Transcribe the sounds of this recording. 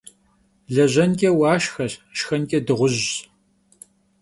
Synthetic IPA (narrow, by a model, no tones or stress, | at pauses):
ɮɐʑɐnkʲʼɛwɑːʃxɐɬʃxɐnkʼɛdɨʁʷʊʑ